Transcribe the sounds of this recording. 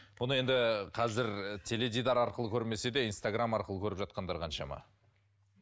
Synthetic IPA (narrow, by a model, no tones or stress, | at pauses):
bʊnəe̞nd̪ɪqʰɑzɪɾt̪ʰe̞le̞d̪id̪ɑɾɑɾqəlˠəkʲʰɵɾme̞se̞d̪e̞inst̪aɡramɑɾqəlˠəkʲʰɵɾɪpʒɑt̪̚qɑnd̪ɑɾqʰɑnʃɑ̰mɑ̰